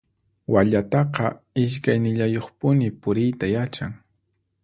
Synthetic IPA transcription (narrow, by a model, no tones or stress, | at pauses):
waʎat̪ɑqɑ | ɪʃkajnɪʎajoχpʊnɪpʊɾɪjt̪ajat͡ʃaŋ